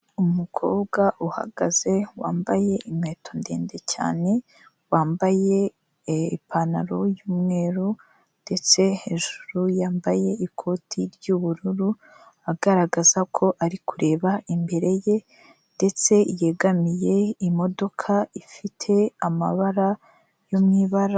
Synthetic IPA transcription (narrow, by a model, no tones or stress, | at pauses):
umukʰo̞ːbɡaʔuha̰ɡaz̥e̞waːmbaje̞ʔimŋeːto̞nde̞̰ːnde̞ca̰ːne̞ | waːmbaje̞ | ipʰanaɾo̞juːmŋe̞ːɾu | nde̞t͡se̞he̞ːʒuɾujaːmbaje̞ikʰo̞ːtʰiɾɟuβuɾuɾu | aɡaɾaɡazakʰo̞ʔaɾikuɾe̞ːβaʔimbe̞ɾe̞je̞ | nde̞t͡se̞je̞ɡamije̞imo̞do̞kʰaifitʰe̞ama̰βaɾa | jomŋiːβaɾa